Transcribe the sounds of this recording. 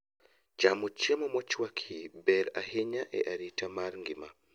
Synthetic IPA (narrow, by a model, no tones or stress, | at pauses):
d͡ʒamɔt͡ʃiamɔmɔt͡ʃwakʰibɛɾa̰heɲaʔɛ̰ʔaɾitʰamaɾŋɡima